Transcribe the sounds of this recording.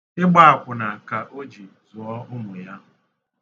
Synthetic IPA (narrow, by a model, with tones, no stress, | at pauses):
ɪ˦ɡ͡ba˦a˨kʷʊ˨na˨ka˨ʔo˦d͡ʒi˨ | zʊ˨ɔ˦ʊ˦mʊ˨ja˦˨